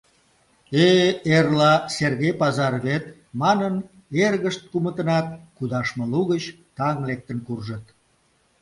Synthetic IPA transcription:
eerlɑserɣejpɑzɑrβet̪ | mɑnən | erɣəʃt̪̚kumət̪ənɑt̪̚kud̪ɑʃməluɣət͡ɕ | t̪ɑŋlek̚t̪ənkurʒət̪̚

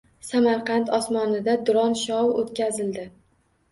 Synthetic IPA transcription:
samaɾqɑnt̪ʰɒsmɒnɪd̪ad̪ʊɾɒnʃɒot̪̚kʲazɪld̪ɪ

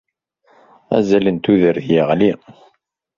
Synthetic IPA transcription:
æ̰zælənt̪uðəɾðjəʁli

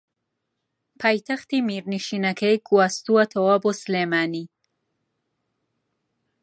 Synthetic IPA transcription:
pʰajt̪axt̪imiɾniʃinakajkuast̪uwat̪ʰawaboslemaːni

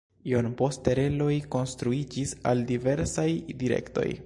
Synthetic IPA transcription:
ionpo̞ste̞ɾe̞lo̞jko̞nst̪ɾuid͡ʒisa̰ldive̞ɾsajdiɾe̞̰kto̞̰j

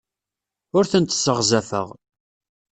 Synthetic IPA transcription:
ʊɾθənt̪sːəʁzæfə̰ʁ

